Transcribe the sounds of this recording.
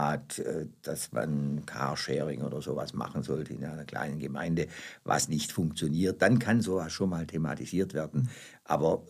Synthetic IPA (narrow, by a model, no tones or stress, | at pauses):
aːtɛːd̥asma̰nkʰa̰ʃɛːʁɪŋʔo̰ːdɐzoːva̰sma̰χn̩zɔltʰəɪnaɪnɐkl̥a̰ɪnənɡəma̰ɪndəva̰snɪçtfʊŋk̚t͡sjoniːɐt̚d̥ankʰanzoːvasʃoːnmaːltʰema̰tiz̥iːɐtv̥ɛɐdn̩ | ʔa̰ːbɐ